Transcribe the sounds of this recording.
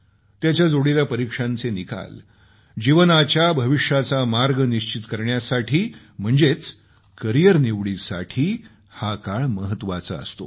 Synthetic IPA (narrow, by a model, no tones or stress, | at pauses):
t̪jat͡ɕjad͡zoɽilapəɾikʂãnt͡senika̰l | d͡ʑiʋənat͡ɕjabʱəʋiʂjat͡samaɾɡniɕt͡ɕit̪kəɾɳjasaʈʰiː | m̤əɳd͡zet͡s | kəɾijəɾniʋɭisa̰ʈʰiː | hakaɭməɦət̪ːʋat͡sa̰ə̰st̪o̰